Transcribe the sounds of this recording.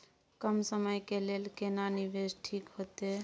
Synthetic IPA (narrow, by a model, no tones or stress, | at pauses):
kəmsəməjkelelkenanibed͡ʒʈʰikɦot̪e